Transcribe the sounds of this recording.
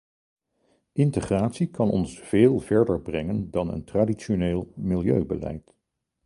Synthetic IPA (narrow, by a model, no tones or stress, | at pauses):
ʔɪntəχraːtsikɑnɔ̰nsv̥eːlˠvɛɹdəɹbrɛŋəndɑnə̰ntraːdiʃoneːlˠmɪlˠjøɥbə̰lɛ̰jt